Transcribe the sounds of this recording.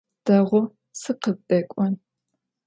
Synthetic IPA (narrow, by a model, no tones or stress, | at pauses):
d̥ɐʁʷʊ | sɨqəb̚dʼɐkʷʼɔn